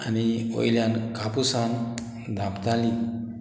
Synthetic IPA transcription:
anio̰jljankapusan | d̪ʱapt̪ali

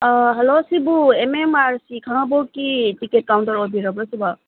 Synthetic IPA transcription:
ɦelosibuememaɾsikʰanɔbokiʈikeʈ̚kaw̃ɳʈɔɾobʱiɾɔbɾɔsiba

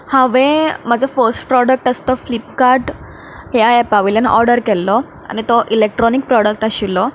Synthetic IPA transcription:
hãʋẽmad͡zʱɔfəɾsʈpɾɔɽək̚ʈast̪ɔflip̚kaɾʈ | ɦjaɛpaʋiljənɔ̰ɾɖəɾkɛlːɔ | a̰ñit̪ɔʔilek̚ʈɾɔnik̚pɾɔɽək̚ʈaɕilːɔ

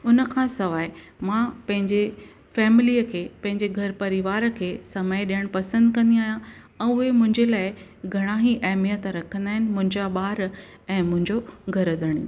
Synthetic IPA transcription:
ʊnəkʰãːsɐʋaːe | mãpɐ̃ɦɪ̃ɲd͡ʑe | fɛːmɪliəkʰeːpɐ̃ɦɪ̃ɲd͡ʑeɡʱɐɾpɐɾiʋaːɾə̆kʰeːsɐməeɗijəɽ̃pɐsə̃nd̪kɐ̃nd̪iaːɦjã | ɛ̃ːʊɦemʊ̃ɦɪ̃ɲd͡ʑelaːɪɡʱɐɽ̃aɦiʔɐɦmijət̪ɾɐkʰə̃nd̪aːɦɪnɪ̆mʊ̃ɦɪ̃ɲd͡ʑaɓaːɾ | ɛ̃ːmʊ̃ɦɪ̃ɲd͡ʑoɡʱɐɾəd̪əɽ̃ḭ̃

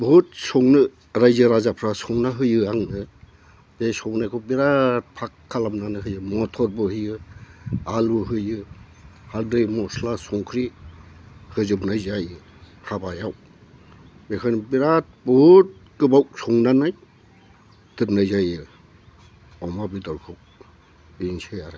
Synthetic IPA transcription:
buut̚sɔŋnɯ | ɾajzɯɾazapʰɾasɔŋnaɦɯjɯaŋnɯ | b̥esɔŋnajkʰɔbiɾat̚pʰakʰːalamnanɯɦɯjɯmɔtʰɔɾbɯhɯjɯ | aluɦɯjɯ | haldɯjmɔslasɔŋkʰɾi | hɯzɯbnajzaj | habajaw | bekʰanbiɾat̚bɔt̚kɯbawk̚sɔŋnanaj | d̥ɯp̚najzajɯ | ɔmabidɔɾkʰɔk̚ | biŋseaɾaj

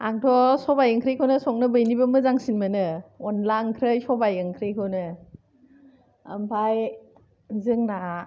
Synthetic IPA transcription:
aŋtʰɔsɔbajɯŋkʰɾɯjkʰonɯsɔŋ̚nɯbɯjnibɯmɯzaŋsinmɯnɯɔnlaɯŋkʰɾɯjsɔbajɯŋkʰɾɯjkʰɯnɯ | ampʰaj | zɯŋna

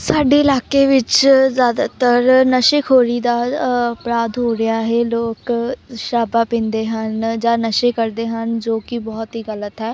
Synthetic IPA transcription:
saːɖeːɪlaːkeːʋɪt͡ʃzjaːd̪a̰ːt̪əɾnəʃɪkʰɦoːɾiːd̪aːəpɾaːd̪ɦoːɾɪaːɦeːloːkʃaːbaːpĩːnd̪eːɦənd͡ʒãːnəʃeːkəɾd̪eːɦənd͡ʒoːkɪbɔːt̪ɦiːɡələt̪ɦɛː

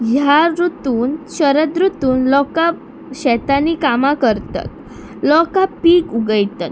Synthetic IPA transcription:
jaɾut̪uːnɕəɾəd̪ɾut̪uːnlɔkap̚ | ɕɛt̪anikamakəɾt̪a̰t̪̚ | lɔkapiːkuɡəjt̪at̪̚

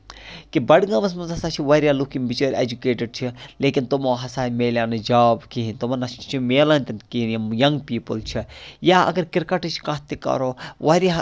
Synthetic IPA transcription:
kibɐɽɡɐmɐs̬mɐnzɐsaːt͡ʃʰiʋɐɾjaːlukimbit͡ʃɐːɾʲed͡ʒukeːʈəɖ̚t͡ʃʰileːkint̪umoːɦɐsaːimeːlʲjaːnɨd͡ʒaːbkiɦinʲt̪umɐnɐst͡ʃʰimeːlɐnʲt̪ɐnkinjɐŋɡpiːpəlt͡ʃʰijaːɐ̰ɡɐɾkɪɾkɐʈɨt͡ʃʰkaːt̪ːikɐ̰ɾoːʋɐɾa

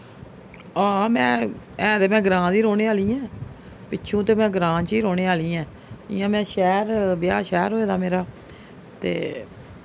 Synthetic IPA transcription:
aːmɛ̃ː | ɛ̃ːd̪eːmɛ̃ːɡɾãːd̪iːɾoːneːaːliːɛ̃ː | pɪːʃʰũːt̪eːmɛ̃ːɡɾãːt͡ʃiːɾoːɽeːaːliːɛ̃ː | ɪ̰jãːmɛ̃ːʃɛːɾbjaːʃɛːɾɦoːeːd̪aːmeːɾaː | t̪ḛː

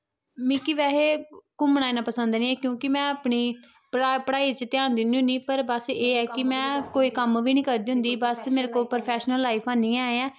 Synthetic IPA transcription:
mĩːkɪʋɛːɦeːkʊmnaːeːnãːpəsə̃nd̪nĩːɛːkjõːkɪmɛ̃ːəpɳiː | pəɽaːiːt͡ʃət̪jaːnd̪ɪniːʊniːpəɾbəseːɛːkɪmɛ̃ːkoːiːkəmʋiːnĩːkəɾd̪iːɦʊ̃nd̪iːbəsmeːɾeːkoːlpɾopʰɛːʃnəlːaːipʰãːnĩːaːeãː

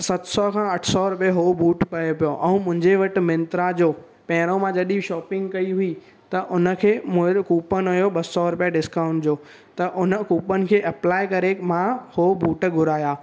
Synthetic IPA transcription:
sɐt̪sɔkʰãːɐʈʰsɔɾʊpijaɦoːbuːʈpɐjopijoʔɛ̃ũmʊ̃ɦɪ̃ɲd͡ʑeʋɐʈɪ̆mɪ̃nt̪ɾad͡ʑoː | pɐ̃ɦɪɽ̃õmãd͡ʑɐɗiʃɔːpɪ̃ŋɡkɐiɦʊi | t̪ɐʔʊnə̆kʰeːmʊ̃kuːpənɐjoɓɐsɔɾʊpjaɖɪskaːʊ̃ɳʈd͡ʑoː | t̪ɐʔʊnəkuːpənɪ̆kʰeːʔɐplaːɪkɐɾekmãhobuːʈɡʱʊɾaːjaː

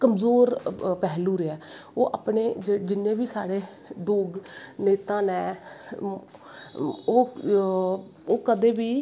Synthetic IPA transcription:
kəmzoːɾpɛːɦluːɾeɛːoːʔapɳeːd͡ʒed͡ʒɪnẽːbiːsaːɽeː | ɖoːɡneːt̪ãːnɛ̃ː | oː | oːkəd̪eːbiː

